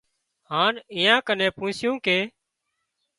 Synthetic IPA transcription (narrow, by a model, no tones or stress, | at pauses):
haːnɪjãːkənẽːpũːsɪjũːkeː